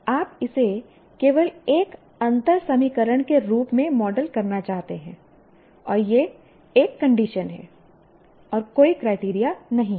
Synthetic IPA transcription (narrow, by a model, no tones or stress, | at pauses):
aːpɪse | keːʋəleːk | ɐ̃nt̪əɾsɐmikəɾəɽ̃keɾuːpmẽmɔːɖəlkɐɾnat͡ʃaːɦt̪eɦɛ̰̃ː | ɔːɾje | eːkːɐ̃ɳɖiʃənɦɛ̰ː | ɔːɾkoːikɾaːɪʈiːɾijanɐɦĩ